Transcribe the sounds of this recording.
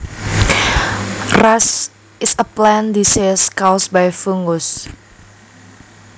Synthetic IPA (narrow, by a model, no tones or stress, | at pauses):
ras | ɪsəplɛ̃nd̪iseskawsbajfuŋus